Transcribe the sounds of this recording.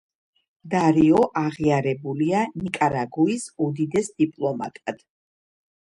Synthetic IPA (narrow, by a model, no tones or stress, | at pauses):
d̪aɾiɔʔaʁiaɾɛbulianikʼaɾaɡuisud̪id̪ɛsd̪ipʼlˠɔma̰t̪ʼad̪̥